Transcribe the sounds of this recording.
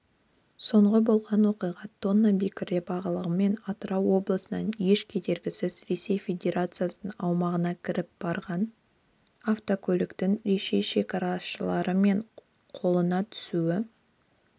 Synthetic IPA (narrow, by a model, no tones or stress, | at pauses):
so̞ɴʁəbo̞lˠʁɑnwo̞qijʁɑt̪̚ːo̞nːabʲikʲɪɾd̪ʲebɑʁəlˠəʁəme̞nɑt̪əɾɑwːo̞blˠəsənɑ̰nje̞ʃkʲʰe̞d̪e̞ɾɡʲɪsɪzre̞se̞jfʲe̞d̪ʲe̞ɾat̪sɨjasənɑwmɑʁənɑkʲʰɪɾɪp̚b̥ɑɾʁɑn | aft̪okʲʰɵlɪkt̪ɪŋɾe̞ʃe̞ʃe̞kɑɾɑsʃəlˠɑɾəme̞ɴ | qʰo̞lˠənɑt̪ʰʏ̥suɪ